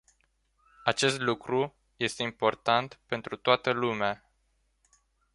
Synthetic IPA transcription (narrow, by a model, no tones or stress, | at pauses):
at͡ʃe̞st̪lukɾu | je̞st̪eimpo̞rt̪ant̪pe̞nt̪ɾut̪oat̪əlumea